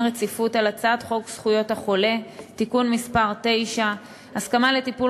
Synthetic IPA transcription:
ʁet͡sifutalat͡sadχo̞ksχujo̞thaχo̞le̞t̪ikunmispaʁt̪e̞jʃa | askamale̞t̪ipu

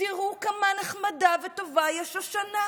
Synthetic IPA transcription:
iʁukamanaχmadavet̪ovajɛʃaʃana

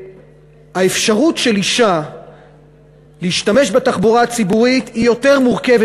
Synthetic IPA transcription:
aefʃaʁutʃe̞liʃa | leiʃtame̞ʃbetaχbuʁaːt͡sibuʁit̪hijo̞te̞ʁmuʁke̞ve

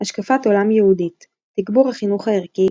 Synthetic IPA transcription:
haʃkafato̞lamjehuditː | iɡbuʁhaχinuχhaeʁki

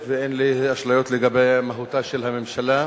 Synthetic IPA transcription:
veenliaʃlajo̞t̪leɡabejmaɦut̪aʃelamemʃala

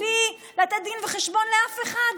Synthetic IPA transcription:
i | lat̪ɛt̪̚d̪inveχeʃbo̞nleafe̞χad̪

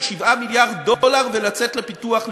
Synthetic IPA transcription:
ʃivamiljaʁddolaʁvelat͡set̪lepituaχl

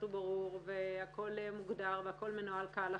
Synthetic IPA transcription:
ubaʁuʁveako̞lmuɡd̪aʁveako̞lmenualkaala

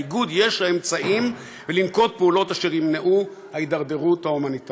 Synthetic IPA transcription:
ɡud̪je̞ʃlaemt͡saim | velimko̞t̪̚peulo̞taʃeʁimneʔu | haid̪aʁd̪eʁuthaumanit

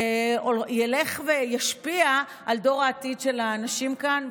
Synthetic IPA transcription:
oljele̞χvejaʃpia | ʔaldo̞ʁaːtidʃe̞laːnaʃimkan

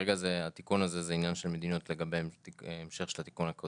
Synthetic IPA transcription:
eɡazeat̪ikunaze̞zeinjanʃelme̞d̪ino̞tle̞ɡabeaemʃe̞χʃelat̪i̥kunhako

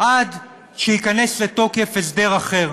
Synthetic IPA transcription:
ʔad | ʃejikane̞sleto̞kefesd̪e̞ʁaχe̞ʁ

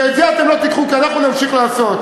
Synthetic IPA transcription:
ezeat̪emlo̞t̪ikχukianaχnunamʃiχlaːso̞t̪

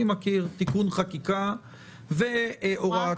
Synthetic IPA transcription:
imakiʁt̪ikunχakika | veʔoʁa

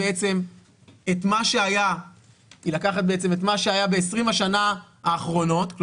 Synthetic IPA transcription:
eet͡se̞m | etmaʃeaja | ilakaχat̪̚beet͡se̞met̪maʃeajabeːsʁimhaʃana | aːχʁo̞no̞tkl

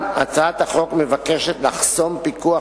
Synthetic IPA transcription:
at͡saat̪haχo̞kme̞vakeʃetlaχso̞mpikua

